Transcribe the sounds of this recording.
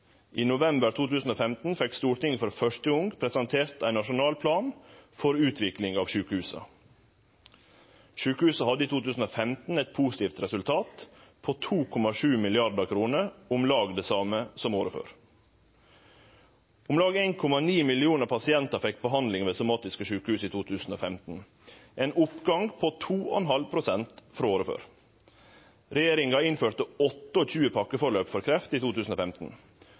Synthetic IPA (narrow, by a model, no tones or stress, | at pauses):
ʔiːnʊʋɛmbəɾt̪ʰuːt̪ʉːsn̩oːfɛmt̪n̩fɛkst̪uːɾʈ̪ɪŋfɔɾfœʂtəʊŋɡpʰɾɛsɑnt̪ʰeːɾt̪æɪnɑʂʊnɑːlpʰlɑːnfɔɾʉːt̪ʰʋɪklɪŋɑːʋʃʉːkəhʉːsə̰ | ʃʉːkəʉːsəhɑd̪əiːt̪uːt̪ʉːsn̩oːfɛmt̪n̩ɛɪt̪̚pʰuːsɪ̥t̪iːft̪ɾɛsʉlt̪ʰɑːt̪pʰoːt̪ʰuːkʰɔmɑʂʉːmɪlɪɑɾɖəkʰɾuːnəɾʊmlɑːɡd̪ɛːsɑːməsɔmoːɾəfø̰ːɾ | ʊmlɑːɡeːnkʰɔmɑniːmɪlɪuːnəɾpʰɑsɪɛnt̪ɑɾfɛk̚ːbəɦɑnd̪lɪŋʋeːsʊmɑːt̪ɪskəʂʉːkəhʉːsiːt̪ʰuːt̪ʰʉːsn̩oːfɛmt̪n̩ | ʔeːnʊpɡɑŋɡpʰoːt̪ʰuːɔɛnɦɑlpʰɾʊsɛnt̪fɾɑoːɾəfø̰ːɾ | ɾɛjeːɾɪŋɡɑɪnføːɾt̪əɔt̪ːəoc͡çʉːəpʰɑkːəfɔɾɭøːpfɔɾkʰɾɛft̪iːt̪ʰuːt̪ʰʉːsn̩oːfɛmt̪n̩